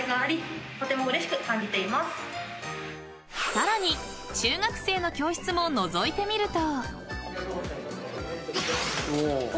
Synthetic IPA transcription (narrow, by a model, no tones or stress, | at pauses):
ɡaːɾʲit̪o̞t̪e̞mo̞ɯ̟ɾe̞ɕi̥kɯ̟kãɲ̟d͡ʑit̪e̞imasɨ̥ | saɾaɲ̟i | t͡ɕɨːɡakɯ̟̥se̞ːno̞kʲo̞ːɕi̥t͡sɨmo̞no̞zo̞it̪e̞mʲiɾɯ̟t̪o̞ | o